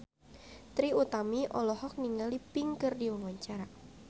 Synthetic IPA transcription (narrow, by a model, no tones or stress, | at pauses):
t̪ɾiut̪amiʔɔlɔhɔk̚niŋalipiŋkərdiwɔŋwaɲt͡ʃaɾa